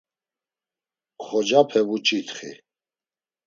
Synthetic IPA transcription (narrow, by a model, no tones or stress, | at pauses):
χɔd͡ʒapʰɛvut͡ʃʼit̪χḭ